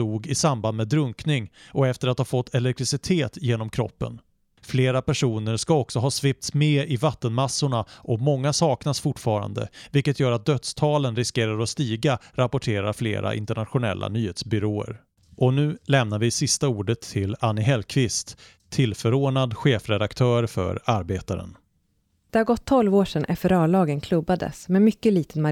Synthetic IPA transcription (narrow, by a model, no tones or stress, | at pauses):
uːɡɪsamband̪meːd̪ɾɵŋknɪŋɔɛft̪əɾat̪haːfɔt̪ʰːɛlɛk̚t̪ɾɪsɪt̪ʰeːt̪jeːnɔmkʰɾɔ̰pːə̰n | fleːɾapæʂuːnəɾʂkaɔksɔɦɑːsvɪp̚t̪smeːɪvat̪ːənmasːʊɳaʔɔmɔŋːasɑːknasfʊʈfɑːɾa̰nd̪ə̰vɪlkːət̪ʰjœːɾat̪̚d̪œt̪st̪ʰɑːlənɾɪskeːɾaɾɔst̪iːɡaɾapʊʈʰeːɾaɾflḛːɾa̰ʔɪ̰nt̪əɳat̪ɧʊnɛ̰lːa̰nyːheːt̪sbʏɾoːə̰ɾ | ʔɔnʉ̟ːlɛmnaɾvɪsɪst̪auːɖət̪ʰːɪlanːɪɦɛlkʰvɪst̪ʰː | ɪlfœɾoːnad̪ɧeːfɾɛd̪akt̪ʰœːɾfœ̰ɾaɾbeːt̪aɾə̰n | d̪̥ɛhaɾɡɔt̪ʰːɔlvoːʂɛnʔɛft̪əɾœːɭɑːɡənkʰlɵbːad̪ə̰smɛmʏkːəliːt̪ənma